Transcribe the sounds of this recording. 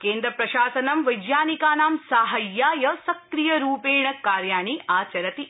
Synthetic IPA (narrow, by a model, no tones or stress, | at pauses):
keːnd̪ɾɐpɾɐʃaːsɐnɐmʋɐjd͡ʒjaːnikaːnaːmsaːɦɐjːaːjɐsɐkɾijɐɾuːpeːɳɐkːaːɾjaːɳiʔaːt͡ʃɐɾɐt̪i